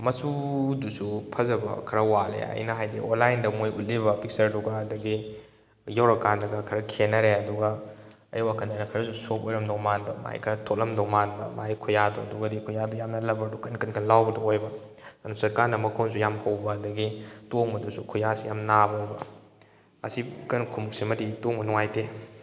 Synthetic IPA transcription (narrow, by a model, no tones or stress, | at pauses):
mɐsudusupʰɐzɐbɐ̰kʰɐɾɐwalḛɐ̰jnɐɦajdḭʔonlajndɐmojut̚libɐpik̚sɐɾdɔɡɐːdɐɡi | jawɾɐkandɐɡɐkʰɐɾɐkʰenɐɾeɐduɡɐ | ɐ̰jwakʰɐnanɐkʰɐɾɐsusopojɾɐmdɔmanbɐ̰ma̰jkʰɐɾɐtʰok̚lɐmdɔmanbɐmajkʰujadɔ̰ɐduɡɐdikʰujadɔjamnɐlɐbɐɾdukɐnkɐnkʰɐnlawbɐdɔojbɐ | anusɐɾkaɾnɐmɐkʰonsujamhɐwbɐɐdɐɡitoŋbɐdusukʰujasijamnabojbɐ | ɐ̰sikɐnkʰumuk̚simɐditoŋbɐnuŋajte